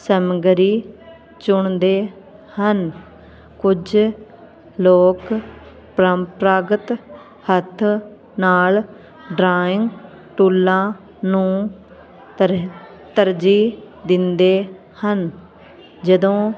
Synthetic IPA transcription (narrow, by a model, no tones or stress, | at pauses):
səmɡɾiː | t͡ʃʊɳd̪eː | hən | kʊd͡ʒ | loːk | ppɾaːɡət̪ | hət̪ʰː | naːl | ɖɾaːɪ̃ŋɡ | ʈuːlːãː | nũː | t̪əɾd͡ʒiː | d̪ɪnd̪eː | hən | d͡ʒəd̪õː